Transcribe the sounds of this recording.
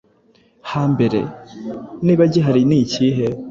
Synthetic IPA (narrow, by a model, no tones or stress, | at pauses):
haːmbe̞ɾḛ | niːβaɟeɦaɾiniːciːɦe